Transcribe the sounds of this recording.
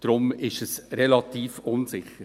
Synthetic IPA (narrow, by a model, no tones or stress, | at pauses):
d̥ɾʊmɪʃəsɾɛlɑt̪iːfʊnsɪχəɾ